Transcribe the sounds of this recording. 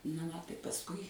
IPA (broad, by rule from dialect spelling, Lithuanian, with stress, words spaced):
nɐ ˈʋɐ ˈtɐɪ pɐsˈkʊɪ